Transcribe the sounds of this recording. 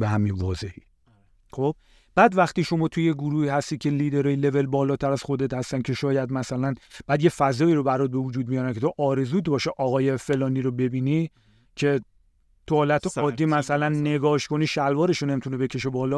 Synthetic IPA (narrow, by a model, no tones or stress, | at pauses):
beɦæminvɒːze̞hi | xob̥ | b̥æːd̪væχt̪iːʃo̞mɒːt̪ʰujeɡuɾuːhiːhæst̪iːcʰe̞liːd̪eɾɒːjile̞ve̞lbɒːlɒːt̪ʰæɾæz̥xo̞d̪e̞t̪hæst̪æncʰe̞ʃɒːjæd̪mæsælænb̥æːd̪je̞fæzɒːiːɾo̞bæɾɒːt̪̚be̞vod͡ʒuːd̪̚mijɒːɾæncʰe̞t̪ʰoʔɒːɾe̞zuːt̪bɒːʃeʔɒːɣɒːjefe̞lɒːniːɾobe̞biːni | cʰe̞ | t̪ʰuhɒːlæt̪ʰoɒːd̪ːiːmæsælænːe̞ɡɒːʃkʰo̞niːʃælvɒːɾe̞ʃone̞mit̪ʰunebe̞cʰe̞ʃebɒːlɒ